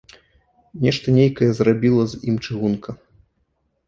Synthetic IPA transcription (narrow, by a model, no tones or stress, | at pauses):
nʲɛʂt̪ɐnʲejkɐjɛzrabʲilˠɐzʲimt͡ʂɨɣunkʰɐ